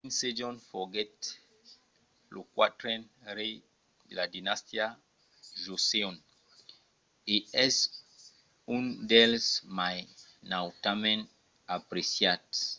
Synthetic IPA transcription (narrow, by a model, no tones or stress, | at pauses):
ĩnsed͡ʒɔ̃nfɔɡɛt | lukwa̰tɾɛnɾe | ladinastja | ʒoseɔ̃n | iɛs | ũndɛlsmajnawtamɛ̃n | apɾesiat